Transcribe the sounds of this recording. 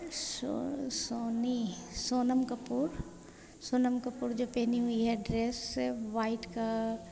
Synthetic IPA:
sosoːnisoːnəmkɐpuːɾ | soːnəmkɐpuːɾd͡ʒoːpeːniɦʊiɦɛɖɾeːsːeʋaːɪʈka

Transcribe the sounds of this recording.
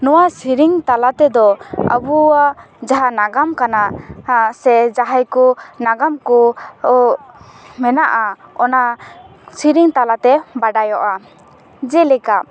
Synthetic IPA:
nɔwasiɾiŋt̪alat̪ɛd̪ɔə̰bua | d͡ʒaɦanaɡamkanaʔsɛd͡ʒaɦajkɔnaɡamkɔ | mɛnaʔaɔna | siɾiŋt̪alat̪ɛbaɖajɔʔa | d͡ʒɛlɛkaʔ

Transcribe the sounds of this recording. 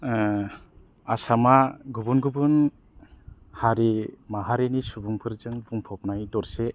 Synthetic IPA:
asamaɡubunɡubɯn | haɾimaɦaɾenisubumpʰɯɾzɯŋbuŋpʰɔp̚najtɔɾse

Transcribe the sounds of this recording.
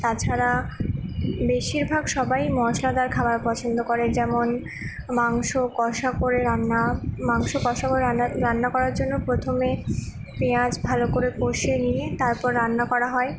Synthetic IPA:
t̪at͡ɕʰaɾa | beʃiɾbʱaɡʃɔbajmɔʃlad̪aɾkʰabaɾpɔt͡ɕʰond̪okoɾed͡ʑɛmon | maŋʃokɔʃakoɾeɾanːamaŋʃokɔʃakoɾɾanːakɔɾaɾd͡ʑonːopɾot̪ʰome | pead͡ʑbʱalokoɾekoʃeniet̪aɾpɔɾːanːakɔɾaɦɔe

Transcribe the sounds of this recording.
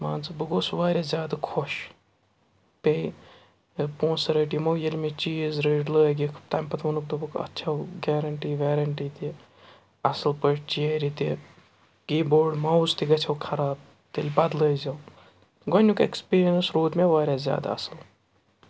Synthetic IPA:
maːnzɨbɨɡoːsʋaːɾʲjazʲjaːd̪akʰoʃ | pei | põːnsɐɾeːʈimowjɐlʲmet͡ʃiːzɾeːɖləːɡikʰt̪ɐːmpɐt̪ʰʋɐnuk̚d̪obɨkɐ̰tːt͡ʃʰɐwɡɛːɾɐɳʈiːʋʲeːɾɐɳʈiːt̪i | ɐsɨlpəʃt͡ʃieɾit̪i | ɡ̥iːboːɾɖmɐust̪iɡɐt͡ʃʰɐwkʰɐɾaːb̚ | t̪elʲbɐd̪ləːzɐw | ɡɐnʲukḛkspiːɾijɐnsɾoːd̪meʋaːɾʲazʲja̰ːd̪a̰ɐ̰sɨl

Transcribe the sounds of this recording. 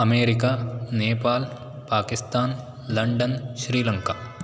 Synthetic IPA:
ɐmeːɾɪkaneːpaːl | paːkɪst̪aːn | lɐɳɖənʃɾiːlɐ̃ŋkaː

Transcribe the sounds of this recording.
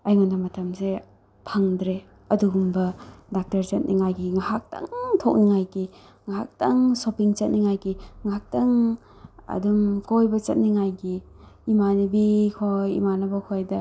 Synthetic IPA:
ajŋundɐmɐtʰɐmse | pʰaŋdɾe | ɐduɡumbɐdak̚tɐɾt͡ʃɐt̚niŋajɡiŋahak̚ta̰ŋtʰok̚niŋajɡi | ŋaɦak̚tɐŋsopiŋt͡ʃɐt̚niŋajɡiŋaɦak̚tɐŋ | ɐ̰dumkojbɐt͡ʃɐt̚niŋajɡiː | manibikʰojḭmanɐbɐkʰojdɐ

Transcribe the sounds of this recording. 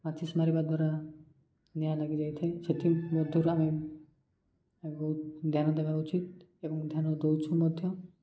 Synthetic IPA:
mat̪ʰismaɾibad̪waɾa | njajlaɡid͡ʒajt̪ʰeset̪ʰimɔd̪ʱjɔɾame | bɔɦut̪̚d̪ʱjanɔd̪ebaɾut͡ʃit̪ebɔŋd̪ʱjanɔd̪ɔwt͡ʃʰumɔd̪ʱjɔ

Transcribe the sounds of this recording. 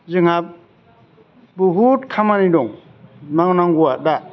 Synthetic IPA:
zɯŋhap̚ | buɦutkʰamanidɔŋ | naŋnaŋɡuwada

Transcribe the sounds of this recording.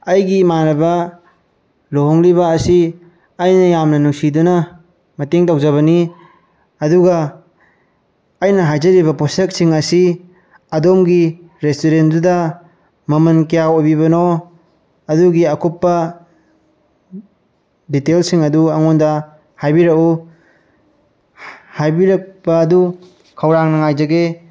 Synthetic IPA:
ɐjɡimaɾɐbɐ | lohɔŋlibɐːsiː | jnɐjamnɐnuŋsidunɐ | mɐteŋtawzaβɐni | ɐduɡa | jnɐɦajzɐɾibɐposek̚siŋɐsi | ɐdomɡi | ɾestoɾendudɐ | mɐmɐnkijawojbibɐno | ɐduɡiɐkʰupːɐ | ditelsiŋɐduɐŋondɐ | hajbiɾɐku | hajbiɾɐk̚pɐːdu | kʰɐwɾaŋnɐŋajzɐɡe

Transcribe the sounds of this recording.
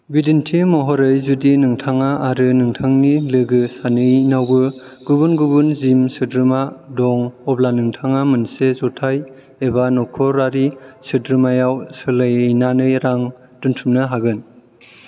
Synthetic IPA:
bidintʰimɔɦɔɾɯjzudinɯŋtʰaŋaːɾɯnɯŋtʰaŋnilɯɡɯsanɯjnawbɯ | ɡ̥ubunɡubunzimsɯdɾɯmadɔŋɔblanɯŋtʰaŋamɯnsezɔtʰaj | ebanɔkʰɔɾaɾisɯdɾɯmajawsɯlɯjnanɯjɾaŋ | tuntʰumnɯɦaɡɯn

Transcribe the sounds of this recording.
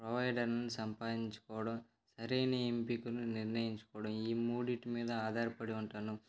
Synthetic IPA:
pɾoʋɐjɖɐɾnnusɐmpaːd̪iɲt͡ʃu̥kɔːʋɐɽɐm | sɐɾejnempikununiɾnɐjiɲt͡ʃu̥kɔːʋɐɽɐmiːmuːɽiʈmiːd̪ɐaːd̪ʱaːɾɐpɐɽiuɳʈaːnu

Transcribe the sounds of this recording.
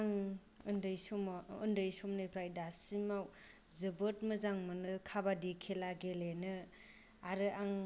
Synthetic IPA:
aŋ | ɯndɯjsɔmɯ̰ndɯjsɔmnɯjpʰɾajdasimaw | zɯbɯt̚mɯzaŋmɯnɯkʰabadikʰelaɡelenɯ | aɾɯaŋ

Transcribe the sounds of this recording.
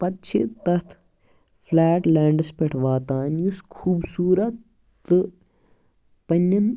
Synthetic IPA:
pɐt̪t͡ʃʰḭt̪ɐt̪ʰ | fʰlaːʈlɛːɳɖɐspeʈʰʋaːt̪aːnjuskʰuːbsuːɾɐt̪ː | ɨ | pɐnːɐm

